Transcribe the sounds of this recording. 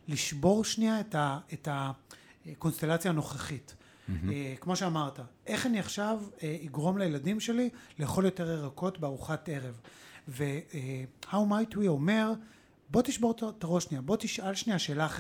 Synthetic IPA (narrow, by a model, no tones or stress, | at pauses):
liʃbo̞ʁʃniaetaeta | ko̞nst̪e̞lat͡sjano̞χaχitː | kmo̞ʃeamaʁtaʔe̞χaniaχʃaveiɡʁo̞mlejeladimʃe̞lileːχo̞ljote̞ʁeʁako̞tbeaʁuχate̞ʁe̞vveehawmajtwio̞me̞ʁ | bo̞t̪iʃbo̞ʁtaʁo̞ʃniabo̞tiʃʔalʃniaʃe̞ːlaχ